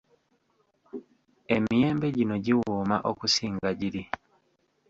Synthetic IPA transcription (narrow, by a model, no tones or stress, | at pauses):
emije̞ːmbe̞ɟino̞ɟiwuːmaʔokusiːŋɡaɟiɾi